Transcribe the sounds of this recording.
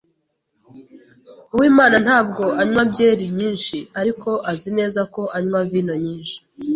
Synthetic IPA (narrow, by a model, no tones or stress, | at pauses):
uwiːmaːnan̥haːb̚ɡo̞aɲwabjeːɾiɲiːnʃiaɾikʰo̞ʔazine̞ːzako̞ʔaɲwaviːnoɲiːnʃi̥